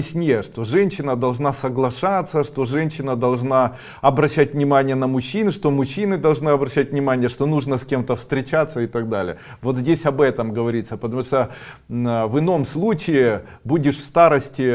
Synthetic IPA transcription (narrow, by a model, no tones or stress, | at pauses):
ɪsʲnʲejəʂt̪oʐɛnʲɕːɪnəd̪ɐlˠʐnasɐɡlˠɐʂat̪sːəʂt̪o̞ʐɛnʲɕːɪnəd̪ɐlˠʐna | ɐbɾɐɕːætʲvnʲɪmanʲɪjənəmʊɕːinɨʂt̪o̞mʊɕːinɨd̪ɐlˠʐnɨɐbɾɐɕːæt̚ʲvnʲɪmanʲɪjəʂt̪o̞nuʐnəsʲkʲe̞mt̪əfst̪ɾʲɪt͡ɕat̪sːəɪt̪ɐɡd̪alʲɪ̰jə | vo̞t̪zʲdʲesʲɐbɛt̪əmɡəvɐɾʲit̪səpət̪ɐmuʂt̪ə | əvɨno̞mslˠut͡ɕɪɪ | budʲɪʂfst̪aɾəsʲtʲɪ